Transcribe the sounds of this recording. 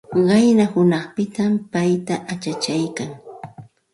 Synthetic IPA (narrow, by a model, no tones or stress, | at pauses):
ɢɑjnahʊnɑχpɪt̪ampajt̪aʔat͡ʃat͡ʃajkaŋ